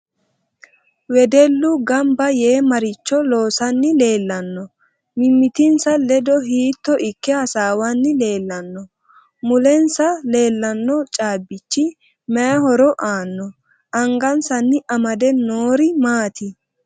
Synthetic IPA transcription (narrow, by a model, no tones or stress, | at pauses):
wɛd̪ɛlːʊɡɐmbɐje̞ːmɐɾɪt͡ʃːɔlo̞ːsɐnːɪle̞ːlːɐnːɔ | mɪmːɪt̪ɪnsɐlɛd̪ɔɦiːt̪ːɔʔɪkːɛhɐsaːwanːɪle̞ːlːɐnːɔ | mʊlɛnsɐle̞ːlːɐnːɔt͡ʃʼaːbːɪt͡ʃːɪ | mɛjɐhɔɾɔʔaːnːɔ | ʔɐŋɡɐnsɐnːɪʔɐmɐd̪ɛnoːɾɪmaːt̪ɪ